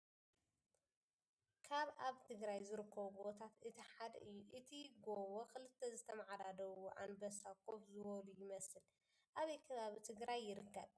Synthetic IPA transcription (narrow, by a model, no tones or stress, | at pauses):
kʰaβʔaβt̪ʰɨɡɾajzɨɾɨkʰːɐβɡt̪ʰat̪ɨt̪ʰiħad̪ɐ̰ʔɨjːuʔɨt̪ʰiɡowokɨlɨt̪ʰːɐzɨt̪ʰɐmaʕad̪ad̪ɐwuʔa̰nbɐsakʰo̞fzɨwɔlujɪmɐsɨl | ʔaβɐjkʰɨβaβit̪ʰɨɡɾajːɪɾɨkːɐβ